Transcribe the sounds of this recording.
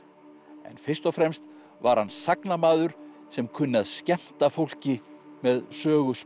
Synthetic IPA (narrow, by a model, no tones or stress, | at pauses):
ɛ̰nfɪr̥st̪ɔfɾɛmst̪ | vaɾhansaknamaːðʏɾ̥ | sɛmkʰʏnːaðscɛm̥t̪afowl̥cɪmɛðsœːɣʏs